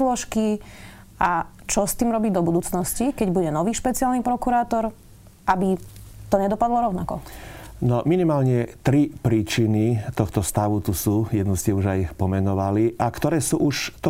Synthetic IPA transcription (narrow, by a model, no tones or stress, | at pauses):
lɔʃki | a | t͡ʃɔst̪iːmɾɔbid̪ɔbud̪uːt͡snɔscikɛɟbuɟɛnɔʋiːʃpɛt͡siaːlnipɾɔkuɾaːt̪ɔɾ | ʔabit̪ɔɲɛd̪ɔpad̪lɔɾɔʊnakɔnɔminimaːlɲɛt̪ɾipɾiːt͡ʃinit̪ɔxt̪ɔst̪aʋut̪usuːjɛd̪nuscɪɛuʒajpɔmɛnɔʋaliʔakt̪ɔɾɛːsuːʔuʃt̪ɔ